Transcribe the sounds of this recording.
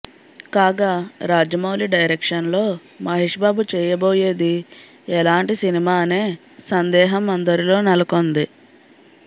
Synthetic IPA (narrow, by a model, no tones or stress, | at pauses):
kaːɡaːɾaːd͡ʒɐmɐwliɖɐjɾekʂɐnlo̞ː | mɐɦiːʂbaːbut͡ʃɛːjɐbo̞ːje̞ːd̪i | ɛlaːɳʈisinimaːneː | sɐnd̪ɛːɦɐmɐnd̪ɐɾilo̞ːnɐlɐkond̪i